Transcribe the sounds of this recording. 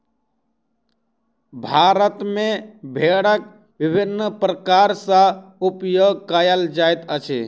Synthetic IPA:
bʱaɾət̪mebʱeɽək̚ | bibʱinːəpɾəkaɾsə̃upjoɡ̚kəjəld͡ʒajt̪ət͡ʃʰḭ

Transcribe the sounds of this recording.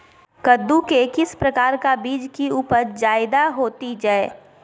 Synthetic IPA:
kəd̪ːukekɪspɾɐkaːɾkabiːd͡ʒkiuːpəɾd͡ʒaːɪd̪aɦoːt̪id͡ʒaːe

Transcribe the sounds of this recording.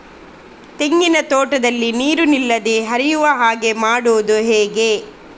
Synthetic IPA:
t̪eŋɡinɐt̪oːʈɐd̪ɐlːiniːɾunilːɐd̪eɦɐɾijuʋɐɦaːɡe̞maːɽuʋud̪uɦeːɡe

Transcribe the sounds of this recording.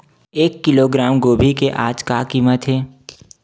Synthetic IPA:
eːkːɪloːɡɾaːmɡoːbʱikeʔaːd͡ʒkakiːmət̪ɦɛː

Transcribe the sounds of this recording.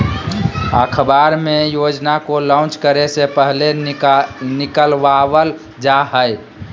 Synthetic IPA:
ə̰kʰəbaɾmejod͡ʒnakolaʊ̃t͡ʃkəɾesepəɦle | nikəlʋaʋəl | d͡ʒaɦəj

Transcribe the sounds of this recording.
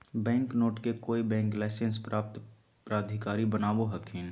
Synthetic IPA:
bɛ̃ːŋknoːʈkekoːibɛ̃ːŋklaːsə̃nspɾaːp̚t̪ | pɾaːd̪ʱɪkaːɾibənaːboɦɐkʰẽː

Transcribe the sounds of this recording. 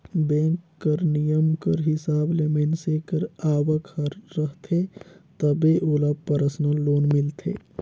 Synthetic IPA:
bɛ̃ːŋkːəɾnijəmkəɾɦɪsaːblemensekəɾaːwəkəɾːəɦt̪ʰet̪əbeʔoləbpəɾsnəlːoːnmɪlt̪ʰḛː

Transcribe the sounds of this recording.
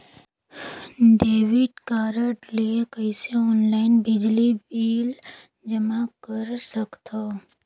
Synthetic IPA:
ɖeːʋɪʈkaːɾəʈlekəiseɔːnlaːɪnbɪd͡ʒlibiːl | d͡ʒəmakəɾsəkt̪ʰa

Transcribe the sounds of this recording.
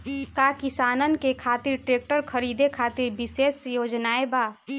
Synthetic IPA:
kakɪsaːnənkekʰaːt̪iɾʈɾeːk̚ʈəɾkʰəɾiːd̪ekʰaːt̪iɾbɪseːsjoːd͡ʒnaːebaː

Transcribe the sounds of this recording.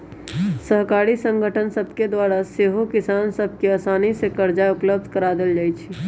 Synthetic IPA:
səɦkaɾisə̃ŋɡʱəʈʰənsəbʱked̪waɾaseɦokɪsaːnsəb̚ʱkeəsaːnisekəɾd͡ʒaʊpləb̚d̪ʱkəɾad̪eld͡ʒaːjt͡ʃʰi

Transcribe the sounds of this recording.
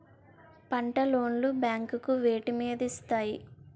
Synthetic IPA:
pɐɳʈɐlo̞ːnlubjaːŋkukuʋeːʈimiːd̪ist̪aːji

